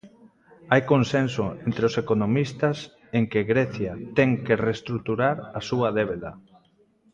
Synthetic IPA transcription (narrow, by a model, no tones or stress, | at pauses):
ajkonsensoent̪ɾeosekonomist̪as | eŋkeɣɾɛθjat̪ɛŋkerest̪ɾuk̚t̪uɾaɾasuɐðeβ̞eðɐ̰